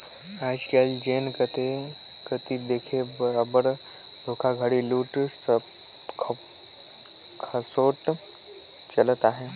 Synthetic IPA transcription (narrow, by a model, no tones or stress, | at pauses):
ad͡ʑkald͡ʑenkət̪ekət̪iːd̪ekʰebəɾabəɾd̪ʱokʰaɡʱaɽiluːʈsə | kʰ | kʰəsoʈ | t͡ɕələt̪aɦe